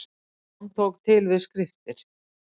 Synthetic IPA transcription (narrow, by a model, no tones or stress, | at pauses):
nt̪ʰowkt̪ʰɪlvɪðskɾɪft̪ɪɾ̥